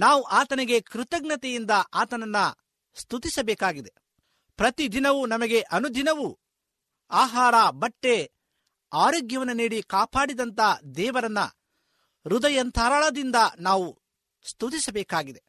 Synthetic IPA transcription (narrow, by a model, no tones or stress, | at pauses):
naːʋuʔaːt̪ɐniɡe̞kɾut̪ɐɡnɐt̪ejind̪ɐʔaːt̪ɐnɐnːɐ | st̪ut̪isɐbɛːkaːɡid̪e̞ | pɾɐt̪id̪inɐʋunɐmɐɡe̞ʔɐnud̪inɐʋu | aːɦaːɾɐbɐʈːe̞ | aːɾoːɡjɐʋɐnːɐniːɽikaːpaːɽid̪ɐnt̪ɐd̪ɛːʋɐɾɐnːɐ̰ | ɾud̪ɐjɐnt̪ʰɐːɾaːɭɐd̪ind̪ɐnaːʋu | st̪ut̪isɐbɛːkaːɡid̪e̞